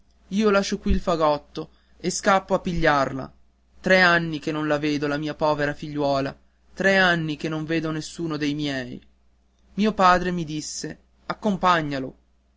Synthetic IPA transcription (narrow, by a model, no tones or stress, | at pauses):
iːolaʃːokwiːlfaɡɔt̪ːo | eskapːoapːiʎːarla̰ | t̪ɾɛanːikenːonlaveːd̪olamiːapɔːveɾafiʎːwɔːla̰ | t̪ɾɛanːik̟enːoɱveːd̪onesːuːnod̪ejmjɛj | miːopaːd̪ɾemid̪isːe | akːompaɲːalo̰